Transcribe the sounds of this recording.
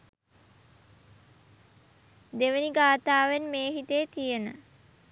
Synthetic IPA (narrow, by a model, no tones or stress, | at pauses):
d̪eʋəniɡaːt̪aːʋenmeːɦit̪eːt̪ijenə